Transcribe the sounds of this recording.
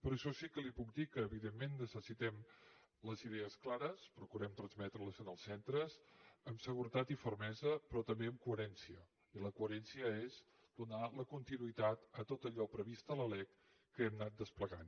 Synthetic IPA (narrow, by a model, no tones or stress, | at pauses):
pɾɔʃɔsikəlipuk̚d̪ikəːβiðemːenːəsəsit̪ɛm | ləziðɛəsklaɾəspɾukuɾɛmt̪ɾənzmɛt̪ɾələzənəlˠsɛnt̪ɾəzəmsəɣuɾət̪at̪ifəɾmɛzəpɾɔt̪əmbeəmkuəɾɛnsiə | iləkuəɾɛnsiəez | d̪̥unaləkunt̪inuit̪at̪ət̪ot̪əʎɔpɾəβist̪ələlɛkː | əɛmnat̪̚d̪əspləɣan